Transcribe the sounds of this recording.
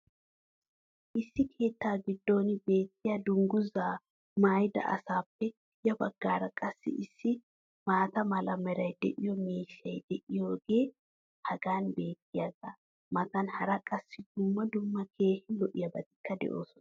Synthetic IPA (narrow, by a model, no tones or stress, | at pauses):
ʔɪsːɪkʰe̞ːt̪ːaːɡɪd̪ːo̞ːnbe̞ːt̪ːɪjɐd̪ʊŋɡʊzaː | majd̪ɐ̰ʔɐ̰saːpːɛ | jɐbɐɡ̥ːaːɾɐkʼɐsːɪ̰ʔɪsːɪ | maːt̪ɐmɐlɐmɛɾɐjd̪ɛʔɪjɔmiːʃːɐjd̪ɛʔɪjo̞ːɡe̞ː | hɐɡaːnbe̞ːt̪ːɪjaɡɐ | mɐt̪ɐnhɐɾɐkʼɐsːɪd̪̥ʊmːɐd̪ʊmːɐkʰe̞ːhɪlɔʔɪjɐbɐt̪ɪ̥kːɐd̪ɛ̰ʔo̞̰ːsɔn